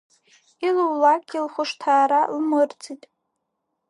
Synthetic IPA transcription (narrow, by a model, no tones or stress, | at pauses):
ilwlakʲːilχʷʊʂtʰaːɾalmɨrt͡sʰitʼ